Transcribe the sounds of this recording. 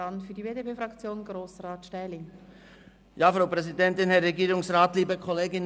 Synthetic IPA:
ɑnfyːɐdiveːdepeːfʁɑkt͡sjoːnɡɾoːsraːtʃtɛːlɪŋ | jaːfʁaʊpʁɛzidɛntɪnhɛɾːɛɡiːɾʊŋsʁaːtliːbəkʰɔleːɡɪn

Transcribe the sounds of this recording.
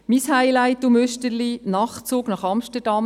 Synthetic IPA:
mishaɪlæɪt̪ːʊmøʃtəlinɑχt͡soːɡnɑχɑmʃtədɑm

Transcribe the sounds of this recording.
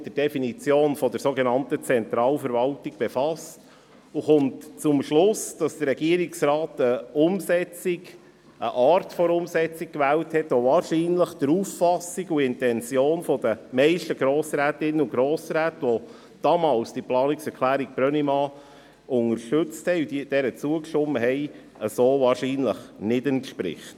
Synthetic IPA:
d̥̪ədɛfinit͡sjoːnfɔd̥əɾsoɡenɑntət͡sɛnt̪ɾɑːlfəɾvɑltiɡ̥b̥efɑst | uχʊmtt͡sʊmʃlʊsd̥ɑsd̥əɾːɛɡ̥iːəɾiksɾɑːtəʊmsɛt͡siɡ | ʔəʔɑːrtfɔɾʊmsɛt͡sik̚kʋæːlthɛtʋɔvɑːɾʃiːnləχd̥əɾufːɑsiɡuɪntɛnt͡sjoːnfɔd̥əmɛɪʃtəɡ̥ɾoːsɾæːtɪnːəuɡɾoːsɾæːtəʋɔ | d̥ɑmɑːlsd̥iplɑːniksɛɾklæːɾiɡ̚b̥ɾœnimɑ | ʊŋəɾʃtɵt͡sthɛɪud̥iːd̥ɛɾət͡suəkʃʊmːəɦɛɪ | əsoːvɑːɾʃiːnləχnɪdɛntʃpɾɪ̰χt

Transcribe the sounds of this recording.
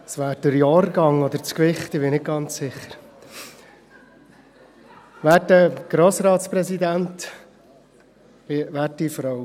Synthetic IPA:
sʋæːɾd̥əɾjɑːrɡɑŋɔd̪əɾt͡skʋɪχt̪ɪbɪnɪk̚ɡ̥ɑnt͡ssɪχːəɾ | væːtəɡ̥ɾoːsɾɑːtspɾɛsid̪ænt | ɪʋæːrdifɾɔw

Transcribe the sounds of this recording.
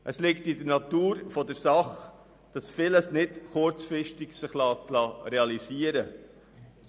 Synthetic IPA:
ʔəslɪktidəɾnɑt̪uːɾfɔdəɾsɑχ | d̥ɑsfɪləsnɪdχʊɾt͡sfɾɪʃtɪɡsɪχlɑːtlɑːɾɛɑliziəɾə

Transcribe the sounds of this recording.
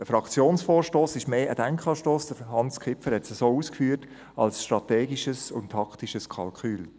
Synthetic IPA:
dəfɾɑkt͡sjoːnsfoːɾʃtoːsɪʃmeːʔədæŋkχɑːʃtoːsd̥əhɑnskʰɪpfəɾhɛtsəsoːuːskfyːəɾt | ɑ̰lsʃtɾɑteːɡiʃəsʊntʰɑktiʃəskʰɑlkyːl

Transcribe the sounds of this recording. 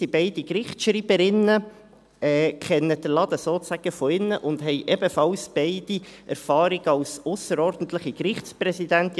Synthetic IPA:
ibɛɪd̥ikɾɪχtʃɾiːbəɾɪnə | ɛːkʰɛnːəd̥əɾlɑd̪̥əsoːt͡sæɡ̥əfɔɪnːəʔʊnd̥̪ɦɛɪʔɛbəfɑlsb̥ɛɪd̥iʔɛ̰ɾfɑːɾɪɡ̥ɑlsʊsəɾɔɾd̥̪n̩t̪ləɪχikɾɪχtt͡spɾɛsid̪ænt̪

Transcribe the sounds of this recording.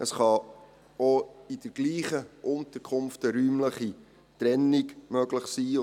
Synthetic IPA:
əsχɑ | oid̥əɾɡ̥liːχəʔʊnt̪əɾkʰʊmftəɾyːmləχi | t̪ɾɛnːiɡmœɡlɪχsiː

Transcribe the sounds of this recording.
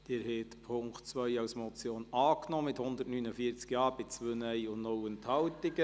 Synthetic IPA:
d̪̥ɪːɾɦɛt̪pʰʊŋktt͡sʋœjɑwsmɔt͡sjoːnɑːknɔːmɪthʊnd̪ətnynəfiət͡skjɑːɾbɪt͡sʋønɛjʊnnɔwənt̪hɑwtɪɡə

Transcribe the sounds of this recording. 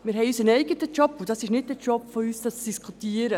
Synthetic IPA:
mɪɾɦɛjysənɛɪɡətət͡ʃɔpːʊd̥ɑsɪʃnɪd̚d̥ɛɾt͡ʃɔpfɔyːsdɑsd̥iskʰutiːəɾə

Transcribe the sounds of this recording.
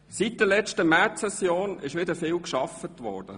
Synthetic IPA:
sit̚d̥əlɛt͡ʃtəmɛt͡sɛsjoːnɪʃʋɪdəfɪːlkʃɑfətʋɔ̰ɹd̥ə̰

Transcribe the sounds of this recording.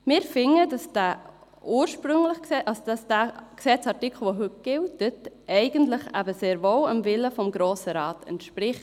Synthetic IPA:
mɪːɾfɪŋədɑsd̥æː | uːɾʃpɾʏŋləχksɛʔɑsd̥ɑsd̥æːksɛt͡sɑtɪkʰl̩ʋoɦʏt̚ɡ̥ɪltətʔɛɪɡ̥əntləχæ̰bəseːɾvowəmvɪləfɔmɡɾoːsəɾɑːtɛ̰ntʃpɾɪχ

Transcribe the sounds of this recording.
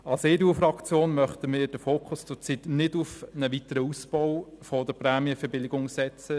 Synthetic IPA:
ɑlseːɾuːfɾɑkt͡sjoːnmœχtəmɪːɾd̥əfoːkʰʊst͡sʊt͡sitnɪdʊfnəʋitəɾəusb̥ɔw | fɔdəpɾæːmjəfɛɾbɪlɪɡʊŋsɛt͡sə

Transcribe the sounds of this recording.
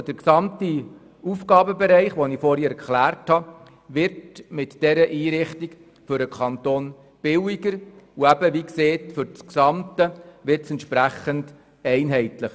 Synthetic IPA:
d̥əɾksɑmti | ufɡɑːbəbɛɾɛɪχʋonifoːɾiːɾkχlæːɾthɑ | ʋɪɾtmɪtd̥ɛɾəʔiːɾɪχtik | fʏɾəkʰɑnt̪oːn | b̥ɪwiɡəɾuæbəʋikseːtfʏɾt͡sksɑmtəʋɪrtsɛntʃpɾæχənd | ɛɪnɦɛɪtləχ

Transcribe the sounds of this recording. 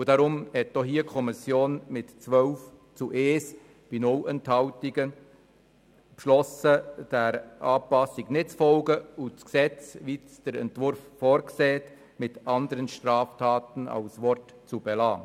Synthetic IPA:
ud̥ɑɾʊmhɛt̚d̥ɔɦiːəkʰɔmɪsjoːnmɪtt͡sʋœʊft͡suʔeːs | b̥inʊwɛnthɑʊtiɡə | pʃlɔsəd̥ɛɾʔɑːpɑsiɡnɪtt͡sfɔlɡəʊt͡sksɛt͡sʋisd̥əɾɛ̰ntʋʊɾfːɔːɾksɛːt | mɪtɑndəɾənʃtɾɑːftʰɑːtənɑ̰ʊsʋɔrt | t͡sub̥ɛlɑː

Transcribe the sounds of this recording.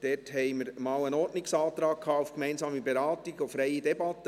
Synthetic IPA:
d̥ɛːthɛɪməɾmɑːlənɔtnɪksɑːt̪ɾɑːk̚kʰːɑːufkmɛɪnsɑːmibeɾɑːtɪɡ̥ofɾɛɪidɛbɑtə

